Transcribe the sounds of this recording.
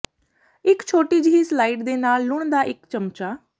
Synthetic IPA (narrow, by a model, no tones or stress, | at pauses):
ɪkt͡ʃʰoːʈiːd͡ʒiiːslaːiːʈd̪eːnaːlːʊɳd̪aːʔɪkt͡ʃəmt͡ʃaː